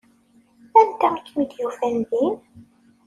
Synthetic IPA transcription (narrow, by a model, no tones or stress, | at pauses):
ænt̪æmkːmid̪jufænðin